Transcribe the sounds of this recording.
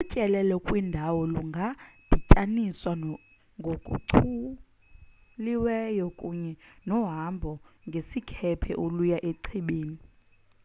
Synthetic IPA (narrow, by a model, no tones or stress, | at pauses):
ucʼɛlɛlɔkʼwindʱawɔluŋɡʱad̥ʱicʼaniswa | ŋɡʱokʼṵǀʰu | liwɛjɔkʼuɲɛnɔɦambʱɔŋɡʱesikʰɛpʰɛʔolujaʔeǀʰiɓeːni